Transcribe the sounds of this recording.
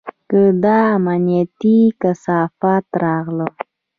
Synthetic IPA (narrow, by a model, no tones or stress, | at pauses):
kəd̪ɑːmanijat̪ikasɑfat̪ɾɑɣlə